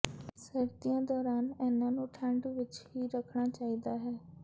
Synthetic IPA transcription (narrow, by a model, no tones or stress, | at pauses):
səɾt̪ijãːd̪ɔːɾaːnɛːnãːnũːʈʰɛ̃ɳɖʋɪt͡ʃɦiːɾəkʰɳaːt͡ʃaːiːd̪aːɦɛː